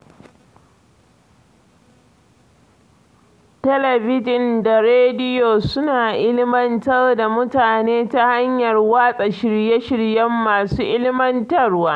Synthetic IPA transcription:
tɐ˦lɐ˨bɪ˦d͡ʒɪ˨nda˨ɾeː˦dɪ˦joː˨sʊ˦naː˨ʔɪ˦lɪ˦mɐ˦ntɐ˦rda˨mʊ˦taː˨neː˦ta˦ha˦ɲjɐ˨rwaː˦sʼa˨ʃɪ˨ɾjɛ˦ʃɪ˨ɽjɐ˦mːaː˨suː˦ʔɪ˦lɪ˦mɐ˦ntɐ˦rwaː˦

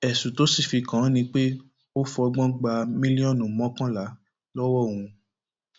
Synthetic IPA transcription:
ɛ˨sũ˨to˨˦si˦˨fi˧kã˨˦nĩ˧k͡pe˦ | o˦fɔ˧ɔ˧ɡ͡bɔ̃˦ɡ͡ba˧mĩ˦li˦ɔ̃˦˨nũ˨mɔ̃˦kã˦la˨˦ | lɔ˦wɔ˦˨ŋ̃ũ˧

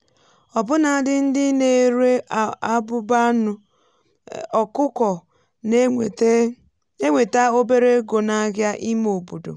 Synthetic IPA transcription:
ɔ˨bʊ˦na˨dɪ˦n̩˦dɪ˦ne˨˦ɾe˦˨a˦bʊ˦ba˦nʊ˦ | ɔ˨kʊ˦kɔ˨˦ | e˦ŋʷe˨ta˦o˦be˦ɾe˦ɡo˨na˦ɣja˦ʔi˦m˦o˨bu˨do̰˨

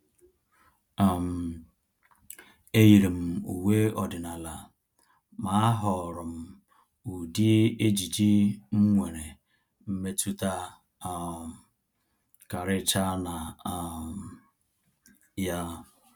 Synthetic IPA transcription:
a˨m̩˨ | e˦ji˨ɾi˨m̩˨ṵ˨we˦ɔ˨dɪ˨na˨la˨ | ma˨a˦ɦɔ˨ɾʊ˨m̩˨ | u˨di˦e˦d͡ʒi˨d͡ʒi˦ŋ̩˦ŋʷe˨ɾe˨ | m̩˦me˦tu˦ta˦˨ | ka˨ɾɪ˦t͡ʃa˦na˨m | ja˦

